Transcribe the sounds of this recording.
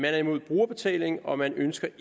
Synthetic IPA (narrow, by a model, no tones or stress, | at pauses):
mænæɐimo̝ð̰ˠb̥ʁuːɐb̥e̝t͡sʰɛ̰ːle̝ŋ̩ɒ̽mænønsɡ̥ɐ